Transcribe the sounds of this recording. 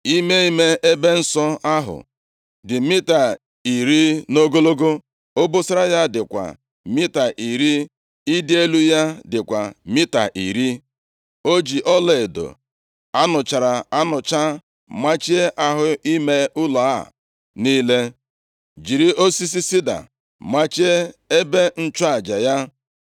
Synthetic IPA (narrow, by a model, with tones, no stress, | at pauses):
i˦me˦i˦me˦e˦be˦n̩˦sɔ˦a˦ɦʊ̰˨ | dɪ˨mi˦ta˨ | i˨ɾi˦no˦ɡo˦lo˦ɡo˦ | o˦bo˦sa˦ɾa˦ja˦dɪ˨kʷa̰˨ | mi˦ta˨ʔi˨ɾi˦ | i˦dɪ˦e˦lu˦ja˦dɪ˨kʷa˨mi˦ta̰˨ʔḭ˨ɾi˦ | o˦d͡ʒi˨ʔɔ˦le˨e˨do̰˨ | a˦nʊ˨t͡ʃa˨ɾa˨a˦nʊ˨t͡ʃa˦ | ma˦t͡ʃi˦e˦ʔa˦ɦʊ˨i˦me˦ʊ˦la˨a˦˨ | niː˦le˦ | d͡ʒi˨ɾi˦o˦si˦s̬i˦si˦da̰˨ | ma˦t͡ʃi˦e˦e˦be˦n̩˦t͡ʃa˨d͡ʒa˨ja˦